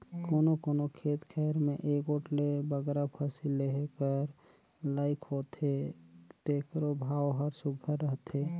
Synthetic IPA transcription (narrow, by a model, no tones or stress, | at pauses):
koːnokoːnokʰeːt̪kʰɛːɾmẽʔeːkoːʈlebəɡɾapʰəsilːeɦkəɾ | laːɪkʰɦoːt̪ɦet̪eːkɾobʱaːwɦəɾsʊɡʱəɾːəɦt̪ɦeː